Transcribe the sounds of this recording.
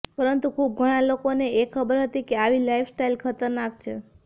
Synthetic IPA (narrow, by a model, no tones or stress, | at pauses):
pəɾənt̪ukʰub̚ɡʱəɽ̃alokoneekʰːəbəɾɦət̪ikeaʋilaifʰsʈailkʰət̪əɾnak̚t͡ʃʰe